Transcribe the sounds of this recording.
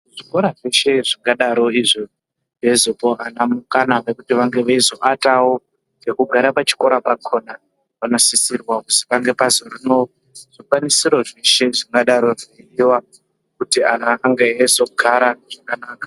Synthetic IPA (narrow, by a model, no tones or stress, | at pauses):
ʐiko̞ɾaʐeʃe̞ʐiŋɡaɗaɾo̞iʐo | bʱe̞zopoʔanamukanaʋe̞kutiʋaŋɡe̞ʋaizo̞ʔatawo̞ | ŋɡe̞kuɡʱaɾapat͡ʃi̥ko̞ɾapakʰona | ʋano̞sisirwakusi̥paŋɡe̞pazorino | ʐ̥ikwanisiɾo̞ʐiʃe̞ʐiŋɡaɗaɾo̞ʐiiwa | kutianaːŋɡeezo̞ɡʱaɾaʐ̥akanakḁ